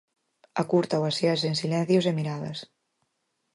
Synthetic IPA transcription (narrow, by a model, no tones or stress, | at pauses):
akuɾt̪awaseasensilɛn̟θjozemiɾaðɐ̰s